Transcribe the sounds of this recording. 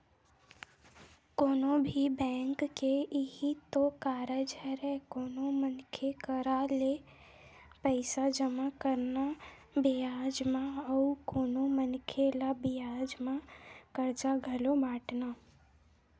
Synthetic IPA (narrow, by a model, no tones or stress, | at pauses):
koːnobʱibɛ̃ːŋkːeɪɦit̪okaːɾəd͡ʒɦɛɾɛkoːnomənkʰekəɾale | pəɪsad͡ʒəmakəɾna | bijaːd͡ʒmãɔʊɾkoːnomənkʰelabɪjaːd͡ʒmãkəɾt͡ʃaɡʱɐlobaːʈna